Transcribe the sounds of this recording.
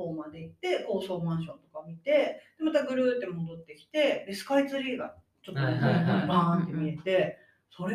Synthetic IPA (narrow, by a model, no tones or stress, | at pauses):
oːmad̪e̞it̪ːe̞ko̞ːso̞ːmãɰ̃ɕõ̞nt̪o̞kamʲit̪e̞d̪̥e̞mat̪aɡɯ̟ɾɯ̟t̪ːe̞mo̞d̪o̞t̪ːe̞kʲi̥t̪e̞ɾesɨ̥kait͡sɨɾʲiːɡa | t͡ɕo̞t̪ːoobãːnt̪e̞mʲie̞t̪e̞ | so̞ɾe